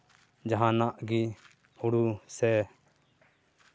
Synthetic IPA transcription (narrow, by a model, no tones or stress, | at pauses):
d͡ʒəɦãːnaʔɡiː | hʊɽusɛː